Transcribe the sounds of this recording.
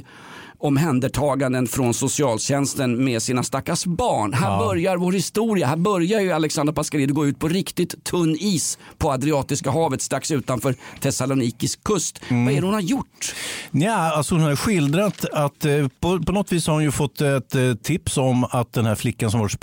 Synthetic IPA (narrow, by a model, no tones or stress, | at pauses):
ɔmɦɛnd̪əʈʰɑːɡand̪ənfɾɔnsʊsɪɑːlɕɛnst̪ənmeːd̪siːnast̪akːasbɑːɳɦæːbœɾjaɾvoːɾhɪst̪uːɾɪahæːɾbœɾjajɵalɛksand̪ɾpʰaskaɾiːd̪ɔɡoːʉ̟t̪̚pʰɔɾɪkt̪ɪt̪ʰːɵnːiːspʰɔad̪ɾɪɑːt̪ɪskaɦɑːvət̪st̪ɾaksʉ̟ːt̪anfœːɾt̪ʰɛsalʊniːkɪskʰːɵst̪vaɛɾɛhʊnhajʊʈːnæalsɔhʊnhaɾɧɪld̪ɾat̪at̪pɔpʰɔnɔt̪viːshaɾhʊnjɵfɔt̪ːɛt̪t̪ʰːɪpsɔmat̪̚d̪ɛnhæɾflɪkːans̬ɔmvaɾ